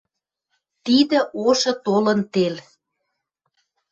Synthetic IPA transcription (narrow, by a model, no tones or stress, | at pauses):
t̪id̪ə̆ʔoʃɤ̆t̪olə̆nt̪el